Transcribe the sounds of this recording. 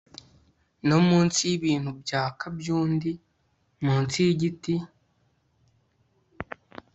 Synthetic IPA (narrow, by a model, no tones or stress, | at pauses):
no̞muːnsiβiːn̥hubjaːkabjuːndi | muːnsiɟiti